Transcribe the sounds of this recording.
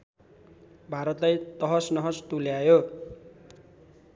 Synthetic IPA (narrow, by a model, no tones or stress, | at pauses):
bʱaɾʌt̪lajt̪ʌɦʌsnʌɦʌst̪uljajo